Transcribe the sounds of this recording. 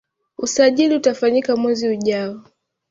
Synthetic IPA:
usaʄiliutafaɲikamwɛziuʄaɔ

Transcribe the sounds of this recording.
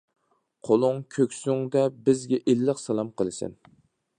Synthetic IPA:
qʰolˠʊŋkʲʰøkʲsʊŋd̪ɛbɪzɡʲɛʔelːɨqsɛlˠɑmqʰəlˠɨsɪ̰n

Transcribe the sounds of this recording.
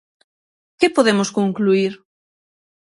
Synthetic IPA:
kɪpoðemʊskoŋkluiɾ

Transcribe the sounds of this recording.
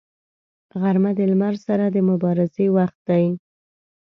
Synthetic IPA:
ɣaɾmad̪əlmaɾsaɾad̪əmʊbɑɾɪzewaxt̪̚d̪aj

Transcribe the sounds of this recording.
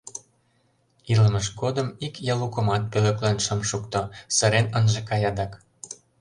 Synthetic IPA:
ilə̆məʃɡod̪ə̆mikjɑlukə̆mɑt̪̚pølĕklɑnʃə̆mʃukt̪osə̆ɾenənʒĕkɑjɑd̪ɑk

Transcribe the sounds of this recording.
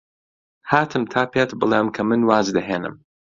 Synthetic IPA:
haːt̪ʰɨmt̪ʰaːpʰeːt̪bɨlˠeːmkʰɐmɨnwaːzd̪ɐɦeːnɨ̰m

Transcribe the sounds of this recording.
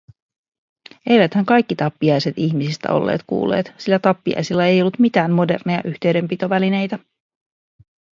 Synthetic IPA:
e̞jʋæt̪hæŋkɑjkːit̪ɑpːiɑjse̞t̪içmisist̪æ̰o̞̰lːḛːt̪kṵːlːeːt̪silːæt̪ɑpːiɑ̰jsilːɑe̞jo̞lːut̪mit̪æːmːo̞de̞̰rnejɑ̰ʔyçt̪e̞ɥde̞mpit̪o̞ʋæline̞jt̪æ

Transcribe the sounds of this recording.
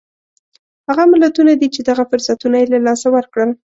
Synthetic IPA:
haɣamɪlat̪unad̪it͡ʃed̪aɣafʊɾsat̪unajelalɑsawəɾkɽəl

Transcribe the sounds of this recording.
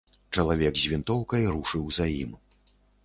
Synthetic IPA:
t͡ʂɐlˠavʲɛɡzʲvʲint̪ɔwkɐjɾuʂɨwzajḭm

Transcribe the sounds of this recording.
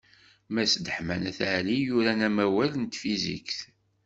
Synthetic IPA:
mæsd̪əħmænæθʕlijuɾænæmæwælənt̪fizḭkθ

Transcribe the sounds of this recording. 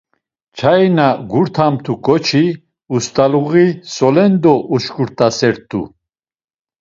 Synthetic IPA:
t͡ʃʰajnaɡuɾt̪ʰamt̪ʰukʼɔt͡ʃʰi | ust̪ʼaluʁisɔlɛnd̪ɔʔuʃkuɾt̪ʼasɛɾt̪ʼṵ

